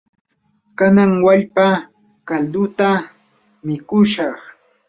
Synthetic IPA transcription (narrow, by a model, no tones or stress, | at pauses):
kanaŋwaʎpa | kald̪ʊt̪a | mɪkʊʃɑχ